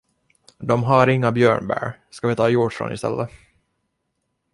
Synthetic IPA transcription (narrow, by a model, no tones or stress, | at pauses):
d̪ɔmɦaɾɪŋːabjøːɳbæ̰ɾskavɪt̪ʰɑːjuʈfɾɔ̰nɪ̰st̪ɛ̰lːʔə